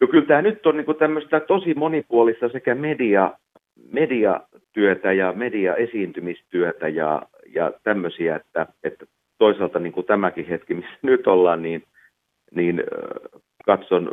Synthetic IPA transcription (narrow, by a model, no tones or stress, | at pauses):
jokylt̪æːnyt̪ːonniːŋkut̪æmːøst̪æt̪osimonipuolist̪ɑsekæmediɑ | mediɑ̰ | t̪yøt̪æjɑmediɑesiːnt̪ymist̪yøt̪æjɑ̰ | jɑ̰t̪æmːøsiæet̪ːæet̪ːæ | t̪oisɑlt̪ɑniːŋkut̪æmækihet̪kimisːænyt̪olːɑːnniːn | niːn | kɑt̪son